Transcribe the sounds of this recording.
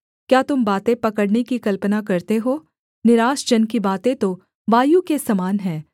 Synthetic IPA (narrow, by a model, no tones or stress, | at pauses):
kjaːt̪ʊmbaːt̪ẽpɐkəɽnekikɐlpənakɐɾt̪eɦoː | nɪɾaːsd͡ʒɐnkibaːt̪ẽt̪o | ʋaːjukesɐmaːnɦɛ̃ː